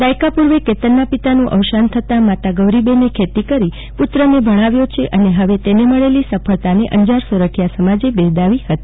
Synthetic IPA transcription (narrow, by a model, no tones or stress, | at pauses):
d̪ajkapuɾʋeket̪ənːapit̪anũʔə̰wʃant̪ʰət̪amat̪aɡəʋɾibenekʰet̪ikəɾi | put̪ɾənebʱəɽ̃aʋjot͡ʃʰeʔəneɦəʋet̪eneməɭelisəfʰəɭt̪aneʔəɲd͡ʒaɾsəɾəkʰjasəmad͡ʒebed̪aʋihət̪i̥